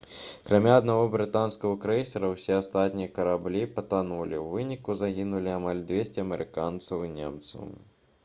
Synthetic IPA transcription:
kɾamʲaɐd̪navɔbɾɨt̪anskɐɦɐkɾɛsʲɛɾɐwsʲɛast̪at̪ʲnʲijɐkɐɾablʲipɐt̪anulʲiwvɨnʲikuzaɣʲinulʲiamalʲd̪vʲesʲt͡sʲɪɐmɛɾɨkant̪sɐwnʲɛ̰mt̪sɐ̰w

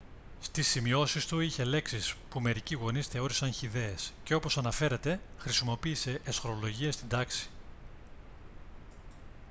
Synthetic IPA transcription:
st̪isːimio̞sist̪uiçe̞le̞ksispume̞ɾiciɣo̞nisθe̞o̞ɾisɐnçiðe̞ːsce̞o̞po̞sɐnɐfe̞ɾe̞t̪e̞xɾisimo̞piːse̞ʔːsxoɾo̞lo̞ʝiest̪ind̪ɐksi̥

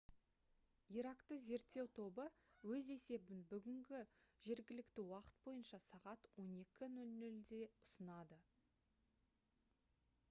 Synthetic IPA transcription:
iɾakt̪əze̞ɾt̪ːe̞wt̪ʰo̞bəwɵze̞se̞bɪnbʏɡʲɪŋɡʲɪʒ̥e̞ɾɡʲɪlɪkt̪ɪwɑqə̥t̪̚bo̞jənʃɑsɑʁɑt̪wo̞ne̞kʲɪnʉlnʏld̪e̞ʊsənɑd̪ə

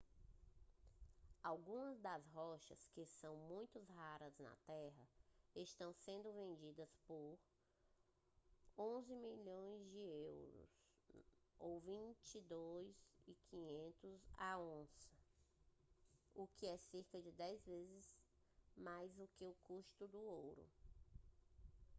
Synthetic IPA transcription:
awɡũmɐzd̪ɐzɦɔʃɐskɪsɐ̃w̃mũj̃t̪ʊzɦaɾɐznɐ̰t̪ɛɦɐeʃt̪ɐ̃w̃sẽnd̪ʊvẽnd͡ʒid̪ɐspoɾ | õzɪmiʎõj̃zd͡ʒɪewɾʊ̰s | owvĩt͡ʃid̪ojzɪkʰĩɲẽnt̪ʊza̰õsɪ̥ | ʊkɪɛseɾkɐd͡ʒɪd̪ɛjzvezɪz | majzʊkeʊkuʃt̪ʊd̪ʊowɾʊ̰

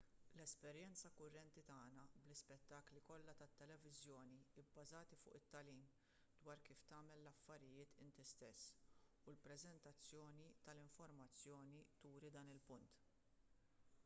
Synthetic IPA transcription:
lɛspɛɾjɛnt͡sɐkʊrːɛnt̪it̪ɐːnɐblɪspɛt̪ːɐːklikɔlːɐt̪ɐt̪ːɛlɛvɪzjɔːniɪbːɐzɐːt̪ifʊ̰ːʔɪt̪ːɐliːm | d̪wɐːɾkiːft̪ɐːmɛlːɐfːɐɾɪjɪːt̪ʰɪnt̪ist̪ɛsːulpɾɛzɛnt̪ɐt͡sːjɔːnit̪ɐlɪɱfɔɾmɐt͡sːjɔːnit̪uːɾid̪ɐːnɪlpʊnt̪

